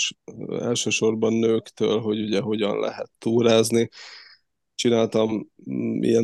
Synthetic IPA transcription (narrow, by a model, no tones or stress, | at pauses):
ʃɛ̰lʃøːʃo̞rbɒnːøːkt̪ø̰ːlɦo̞ɟuɟɛɦo̞ɟɒ̰nlʔɛ̰ɦɛ̰t̪ːuːɾaːzni | t͡ʃinaːlt̪ɒmmʔḭjɛn